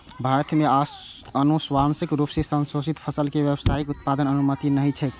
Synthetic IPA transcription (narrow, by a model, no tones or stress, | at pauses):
bʱaɾət̪mea | ənuswamsikɾupsesə̃nsosit̪pʰəsəlkeʋjəbsaikut̪̚pad̪ənənumət̪inəɦit͡ʃʰɛt̪